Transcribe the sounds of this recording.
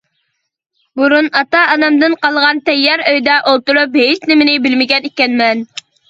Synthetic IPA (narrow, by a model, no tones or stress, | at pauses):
buɾunɑt̪ɑːnɛmd̪ɨnqɑlˠʁɑnt̪ɛjːɛɾøjd̪ɛʔolˠt̪uɾupɦet͡ʃnɪmɪnɪbɪlmɪɡʲɛnekʲɛnmɛn